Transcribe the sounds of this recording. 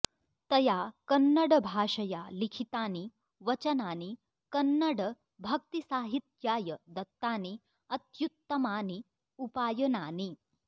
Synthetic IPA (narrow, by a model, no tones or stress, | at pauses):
t̪ɐjakɐnːɐɽəbʱaːʂɐjalikʰit̪aːni | ʋɐt͡ʃɐnaːni | kɐnːɐɽə | bʱɐk̚t̪isaːɦit̪jaːjəd̪ɐt̪ːaːni | ɐt̪jut̪ːɐmaːni | upaːjɐnaːni